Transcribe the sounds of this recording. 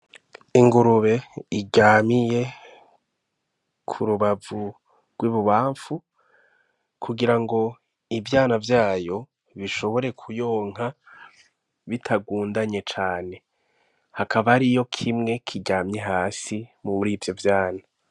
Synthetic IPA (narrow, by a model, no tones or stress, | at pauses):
iŋɡuɾuβe̞iɟaːmije̞ | kʰuɾuβavu | ɡ̥wiβuβaːɱfu | kʰuɡiɾaŋɡo̞ | ivjaːnavjaːjo̞ | βiʃo̞βo̞ɾe̞kʰujoːŋ̥a | βitʰaɡuːndaɲe̞t͡ʃaːne̞ | hakʰaβaɾijo̞kʰimŋe̞kʰiɟaːmɲe̞ɦaːsimumuɾiːvjo̞vjaːna